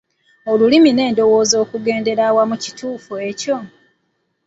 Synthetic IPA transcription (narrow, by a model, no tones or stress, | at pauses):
olulimine̞ːndo̞wo̞ːzo̞ːkuɡe̞ːnde̞ɾawamuci̥tuːfue̞co̞